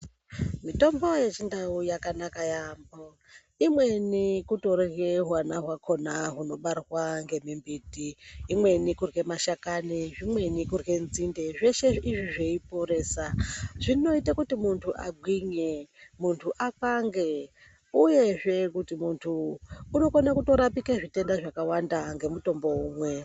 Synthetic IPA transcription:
mito̞mbo̞je̞t͡ʃindaujakanakajambo | imwe̞nikuto̞reɣeɦwanaɦwakʰo̞naɦuno̞ɓarrwaŋɡe̞mimbitiːmwe̞nikurɣe̞maʃakaniʐimwe̞nikurɣe̞nzinde̞ʐe̞ʃe̞iʐiʐeipo̞ɾe̞ːsaʐ̥ino̞itakutimuntʰuʔa̰ɡʱwiɲemuntʰuʔakaŋɡe | uje̞ʐe̞kutimuntʰuːno̞konakuto̞ɾapikeʐite̞ndaʐakawandaŋɡe̞muto̞mbo̞uːmwe̞

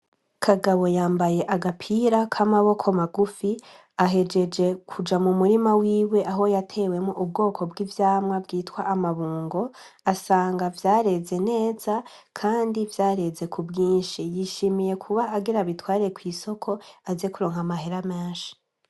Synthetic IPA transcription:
kʰaɡaβo̞jaːmbaje̞ʔaɡapʰiːɾakʰamaβo̞kʰomaɡufi | aɦe̞d͡ʒe̞d͡ʒe̞kʰud͡ʒamumuɾimawiːwe̞ʔaɦo̞jatʰe̞ːwe̞moʔub̚ɡo̞ːkʰo̞bɡivjaːmŋabɡiːtwaʔamaβuːŋɡo̞ | asaːŋɡavjaːɾe̞ze̞ne̞ːz̥a | kʰaːndivjaːɾe̞ze̞kʰubɡiːnʃijiʃimije̞kʰuβaːɡiɾaβitwaːɾiɾekwiːso̞kʰo̞aze̞kuɾo̞ːŋ̥hamaɦeɾameːnʃi̥

